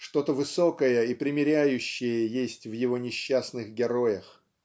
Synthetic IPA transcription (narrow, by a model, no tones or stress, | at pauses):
ʂt̪o̞t̪əvɨso̞kəjəipɾʲɪmʲɪɾʲæjʉɕːɪjəjesʲtʲvjɪvo̞nʲɪɕːasnɨxɡʲɪɾo̞jəx